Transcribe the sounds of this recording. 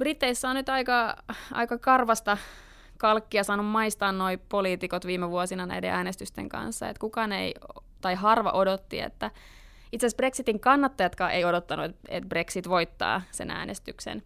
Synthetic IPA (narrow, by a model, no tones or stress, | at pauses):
b̥rit̪ːeisːæonnyt̪ɑikɑʔɑ̰ikɑkɑrʋɑst̪ɑ | kɑlkːiɑsɑːnummɑist̪ɑːnnoipoliːt̪ikot̪ʋiːmeʋuosinɑnæ̰idḛʔæːnest̪yst̪ḛŋkɑ̰nsːɑ̰et̪kukɑːnḛi | t̪ɑiɦɑrʋɑ̰ʔodot̪ːḭḛt̪ːæ | it̪seæsbreksit̪iŋkɑnːɑt̪ːɑjɑt̪kɑːeiodot̪ːɑnuet̪et̪̚breksit̪ʋoit̪ːɑ̰ːsḛnæ̰ːnʔest̪yksḛn